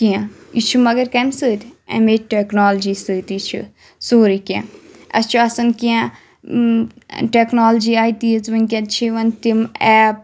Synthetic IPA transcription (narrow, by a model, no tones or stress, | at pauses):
kiãit͡ʃʰumɐɡɐɾkɐmsɨːt̪ɛ̰̃meʈeknaːld͡ʒiːsɨːt̪it͡ʃʰḭ | soːɾikʲã̰ɐ̰st͡ʃʰuɐsɐnkiã | ʈeknaːld͡ʒiːaːjt̪izʋɐnkʲɐnt͡ʃʰiʋɐnt̪imɛːp̚